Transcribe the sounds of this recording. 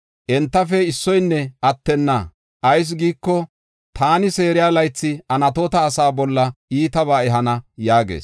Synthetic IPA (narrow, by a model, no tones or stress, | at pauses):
ʔɛnt̪ːɐfɛɪsːɔjnːɛɐt̪ːɛnːɐ | ʔɐjs̬ɡiːkːɔ | t̪aːnɪseːɾɪjaːlɐjt͡sːɪɐnɐt̪ot̪ɐːsaːbɔlːɐiːt̪ɐbaːɛɦɐnɐjaːɡḛːs